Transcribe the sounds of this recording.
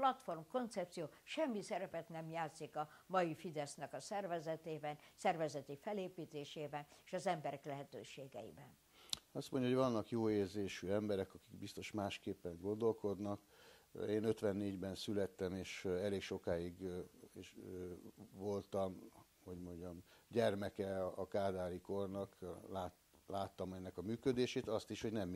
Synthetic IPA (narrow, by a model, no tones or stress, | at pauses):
plɒt̪fo̞rmko̞nt̪sɛp̚t̪sijoːʃɛmːisɛɾɛpɛt̪nɛmjaːt̪sikɒmɒjifid̪ɛsnɛkɒsɛrvɛzɛt̪eːbɛnsɛrvɛzɛt̪ifɛleːpiːt̪eːʃeːbɛneʃɒzɛmbɛɾɛklɛɦɛt̪øːʃeːɡɛ̰ḭbɛn | ɒst̪mo̞ɲɟɒɦoɟvɒnːɒkjoːeːrzeːʃyɛmbɛɾɛkɒki̥ɡbist̪o̞ʃmaːʃkeːpːɛŋɡo̞nd̪o̞lko̞d̪nɒkeːnø̞t̪ʋɛnːeːɟbɛnsylɛt̪ːɛmeːʃɛleːkʃo̞kaːiɡeʃ | vo̞lt̪ɒm | ho̞ɟmo̞ɲɟɒmɟɛrmɛkɛɒkaːd̪aːliko̞rnɒklaː | laːt̪ːɒmɛnːɛkɒmyːkø̞d̪eːʃeːt̪ɒst̪iʃho̞ɟnɛm